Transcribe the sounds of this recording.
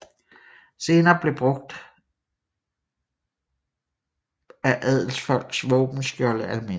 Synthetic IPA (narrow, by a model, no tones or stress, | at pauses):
se̝ːnɐːb̥le̝b̥ʁɔ̽ɡ̥̚d̥ | æʔæð̰ˠl̩sfɒ̽l̰ɡ̥sʋɔ̽ːb̥n̩sɡ̥jɒləʔælme̝